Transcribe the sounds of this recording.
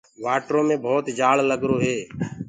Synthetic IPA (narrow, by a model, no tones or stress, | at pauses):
ʋaːʈɾõːmẽːbʱɔːt̪d͡ʒaːɭləɡɾoːɦeː